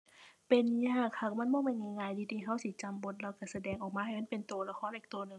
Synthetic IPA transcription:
pe˨nɲaː˧˩kʰːa˧˩k̚ma˧˥˨nbɔː˧˥˨ma˧˩˨na˧˩˨ŋaː˧˩jd̪iː˧˩t̪ʰiː˧˩˨ɦa˧˥˨wsi˧˦t͡ɕa˧˩mbo˧˦t̪̚la˧˩wka˧˩sa˧dɛː˧˩ŋʔɔː˨˩k̚maː˧˥ha˨˩jma˧˥˨pe˨nt̪u˨˧əla˧kʰɔː˧˥˨nʔiː˨˩kt̪u˧nɯ˨ŋ

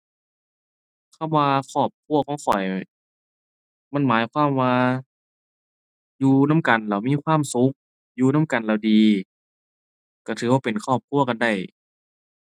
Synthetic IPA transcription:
kʰa˧˥˨mwaː˧kʰɔː˧˩p̚kʰu˧˩˨ɐkʰɔː˧˦ŋkʰɔ˨˩j | ma˧˥˨nmaː˨˦jkʰwaː˧˥˨mwaː˧ | juː˧na˧˥˨mka˨˩nla˧˩wmiː˧˥˨kʰwaː˧˥˨msu˨˦k̚ | juː˧na˧˥˨mka˨nlaː˧˩wdiː˧ | ka˧˩t̪ʰɯː˨˦waː˧pe˨nkʰɔː˧˥˩p̚kʰu˧˥˩ɐka˧˨nda˧˩j

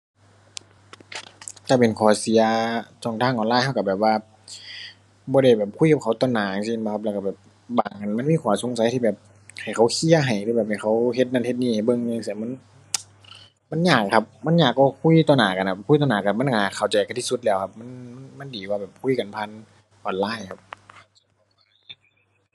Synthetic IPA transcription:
ka˧˩pe˨˩nkʰɔː˨˩si˨˦ɐt͡ɕɔː˧˩ŋt̪ʰaː˧˥˨ŋʔɔː˨nlaː˧˨jha˧˩wka˧bɛː˨˩p̚waː˧ | bɔː˧˦ɾa˧˩jbɛː˨˩p̚kʰu˧˥˨ka˧p̚kʰa˧˦wt̪ɔː˧˦naː˨˩a˧ŋsi˧ŋ˧˦kʰa˧p̚lka˧˩bɛː˨˩p̚ | baː˨˩ŋʔa˨nma˧˥˨miː˧˥˨kʰuː˨˩˦so˧˦ŋsa˨˦jt̪ʰiː˧bɛː˨˩p̚ | ha˨˩jxʰa˨˦wkʰi˧˥˨ɐ˨ɦa˨˩jt̪ʰiː˧bɛː˨˩p̚ha˨˩jxʰa˧˦wɦe˧t̪̚na˧˨nhe˧t̪̚niː˧˩hbɤ˧˨ŋa˧˨ŋsi˧˨ma˧˥˨n | ma˧˥˨nɲaː˨˩kʰːa˧p̚ma˧˥˨nɲaː˨˩kːɔː˧˩kʰu˧˥˨t̪ɔː˧˦naː˨˩˦ka˨nkʰa˧˩kʰjt̪ɔː˧naː˨˦ka˧˩ma˧˥˨n˨kaː˨˩kʰa˨˩wt͡ɕa˨˩ka˧t̪ʰiː˧su˧˦t̪̚lɛː˧˩wkʰa˧p̚ma˧˥˨nm˥ma˧˥˨ndiː˨˦waː˧bɛː˨˩p̚kʰu˧˥˨ka˨npʰa˧˥˨n | ʔɔː˨nlaː˧˥˩jkʰa˧˥p̚s | a˧˩j

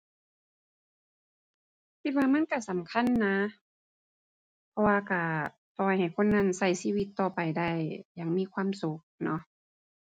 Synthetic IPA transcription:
kʰi˧t̪̚waː˧ma˧˥˨nka˧˩˨sa˨˦mkʰa˧˥˨nːa˧˥ | pʰɔ˧waː˧ka˧˩ | p̪ɔː˧˩jha˨˩jkʰo˧˥˨nːa˧˥˨nsa˧˩jsiː˧˥˨wi˧t̪ːɔː˧˩pa˨jda˧˥˩jja˨˩ŋmiː˧˥˨kʰwaː˧˥˨msu˧˦k̚nɔ˧˥ʔ

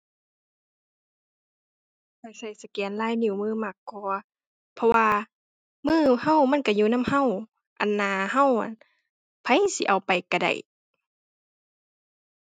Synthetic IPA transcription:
pʰa˧˩jsa˧˩jsa˧kɛː˨˦nlaː˧˥˨jni˧˨˩wmɯː˧˥˨ma˧˩kːɔː˧˦ | pʰɔ˧waː˧ | mɯː˧˥˨ha˧˨wma˧˥˨nka˧˩juː˧˨na˧˥˨mha˧˨w | ʔa̰˨nːaː˧ha˧˨wʔa̰˨n | pʰa˧˥jsḭ˧˨ʔa˨˩wpa˨jka˧˩da̰˨˩j

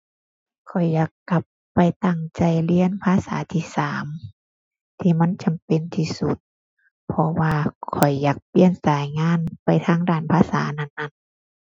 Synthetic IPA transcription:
kʰɔ˨˩jːaː˨˩kːa˧˦pːa˨jt̪a˧˩ŋt͡ɕa˧˨jli˧˥ənpʰaː˧˥˨sa̰ː˨˦t̪ʰiː˧˨saː˨˦m | t̪ʰiː˧ma˧˥˨nt͡ɕa˨mpe˧˨nt̪ʰiː˧su˧˦t̪̚ | pʰɔ˧waː˧kʰɔ˨˩jːaː˨˩k̚pi˧˥˨ənsaː˨˦jŋaː˧˥˨npa˨jt̪ʰaː˧˥˨ŋdaː˧˩npʰaː˧˥˨sa̰ː˨˦na˧˨nːa˧˥˨n

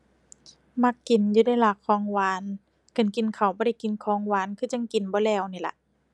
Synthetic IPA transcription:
ma˧˩kːi˨˩njuː˧da˧˩jlaː˨˧˩kʰːɔː˧˥˦ŋwaː˧˥n | ka˨˩nki˨˦nkʰa˨˩wbɔː˧ɾa˧˩jki˨˩˦nkʰɔː˧˥˦ŋwaː˧˥nkʰɯː˧˩t͡ɕa˧˦ŋki˨˩nbɔː˧˦lɛː˧˩wniː˧˩la̰˧˦ʔ

